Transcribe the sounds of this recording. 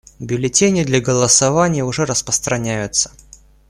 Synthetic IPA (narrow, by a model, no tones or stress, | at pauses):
bʲʊlʲɪtʲenʲɪd̪lʲɐɡəlˠəsɐvanʲɪjəʊʐɛɾəspɾəst̪ɾɐnʲæjʊt̪sə̥